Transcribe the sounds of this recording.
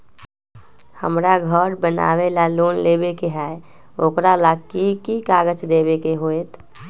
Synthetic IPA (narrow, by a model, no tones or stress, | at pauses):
hə̰mɾaɡʱəɾbəna̰ʋelalonlebekeɦɛe | okɾalaɡkikikaɡət͡ʃd̪ebekeɦoet̪